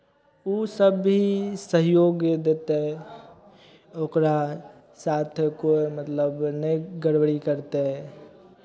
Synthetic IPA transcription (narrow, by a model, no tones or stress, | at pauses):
usəbɦisəɦjoɡd̪et̪e | okɾa | sat̪ʰkoemət̪ləbnəɡəɽwɽikəɾt̪eɦ